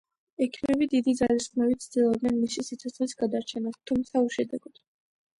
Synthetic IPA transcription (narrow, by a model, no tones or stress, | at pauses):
ɛkʰimɛbid̪id̪id̪zalisχmɛvit̪sʰd̪ilˠɔb̚d̪nɛnmisisit̪sʰɔt̪sʰχlisɡad̪aɾt͡ʃʰɛnast̪ʰumt̪sʰauʃɛd̪ɛɡɔd̪̥